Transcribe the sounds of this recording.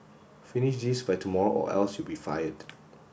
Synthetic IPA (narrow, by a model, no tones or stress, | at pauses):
finiʃdisbajtʰumɔɹoʔɔ̰ʔɛ̰lsjubifa̰jəd